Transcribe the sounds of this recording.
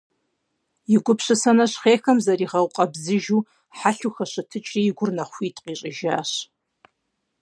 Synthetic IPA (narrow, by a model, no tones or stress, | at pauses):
jiɡʷʊpɕʷɨsɐnɐɕχeːxɐmzɐriːʁɐwqʼɐbzɨʒu | ħaɬuxɐʃʷɨtʰɨt͡ʃʼriɪɡʷʊrnɐχʷiːtʼqʼiɕʼɪʒaːɕ